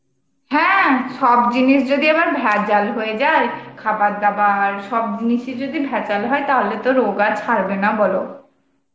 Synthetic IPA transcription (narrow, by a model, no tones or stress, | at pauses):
hɛ̃ʃɔbd͡ʑiniʃd͡ʑod̪iebaɾbʱɛd͡ʑalɦoed͡ʑaekʰabat̪̚d̪abaɾʃɔb̚d͡ʑiniʃed͡ʑod̪ibʱɛt͡ɕalɦɔet̪aɦolet̪oɾoɡat͡ɕʰaɾbenabɔlo